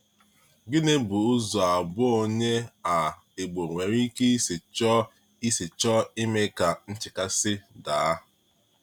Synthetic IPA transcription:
ɡɪ˦ne˦bʊ˨ʊ˦zɔ˨a˨bʊ˦o˦ɲe˦a˨ | e˨ɡ͡bo˨ŋʷe˨ɾi˦ke˦i˦sɪ˨t͡ʃɔ˦ | i˦sɪ˨t͡ʃɔ˦i˦me˦ka˨n̩˦t͡ʃɪ˨ka˦sɪ˦da˨a˦

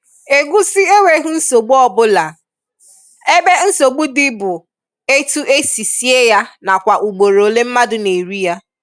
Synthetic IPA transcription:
e˨ɡʷu˦sɪ˦e˦wʷe˨˦ɦu˦n̩˦so˨ɡ͡bu˦ɔ˦bʊ˦la˨ | e˦be˦n̩˦so˨ɡ͡bu˦dɪ˦bʊ˨ | e˦tu˦ʔe˦si˨si˦e˦ja˦na˨kʷa˨ʔu˨ɡ͡bo˨ɾo˨le˦m̩˦ma˦dʊ˦˨ne˨ɾu˦ja˦

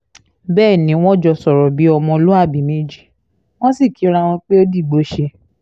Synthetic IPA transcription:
bɛː˦˨nĩ˨˦w̃ɔ̃˦d͡ʒɔ˧sɔ˨ɾɔ˨bi˨˦ɔ˧mɔ̃˧lu˦a˦˨bi˨˦mĩ˦d͡ʒi˦˨ | w̃ɔ̃˦si˦˨ki˨˦ɾa˧w̃ɔ̃˧k͡pe˦o˦di˦˨ɡ͡bo˨˦ʃe˧

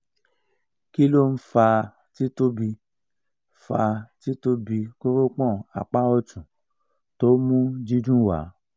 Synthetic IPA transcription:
ki˦lo˦˨n̩˦fa˧ | ti˦to˦bi˧ | fa˧ti˦to˦bi˧ko˦ɾo˦k͡pɔ̃˦˨a̰˨k͡pa˦ɔ˦˧tũ˨ | to˦mũ˦d͡ʒi˦dũ˦wa̰˨˦

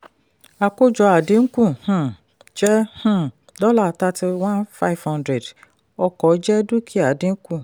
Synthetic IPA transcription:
a˧ko˦d͡ʒɔ˧a˨dĩ˨˦ŋ̩˦kũ˦˨hũ˦˨ | d͡ʒɛ˦hũ˦˨ | dɔ˦la˦˨ta˧ti˧wã˦nfa˦i˨fhã˦ndɾɛ˨d | ɔ˧kɔ˨˦d͡ʒɛ˦du˦kʰi˦a˨dĩ˧ŋ̩˦kũ˦˨

